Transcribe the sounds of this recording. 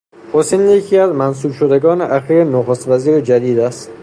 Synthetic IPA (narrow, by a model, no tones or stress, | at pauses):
hosenjecʰiæzmæns̬uːbʃod̪eɡɒːneʔæxiːɾenoxost̪væziːɾed͡ʒæd̪iːd̪æst̪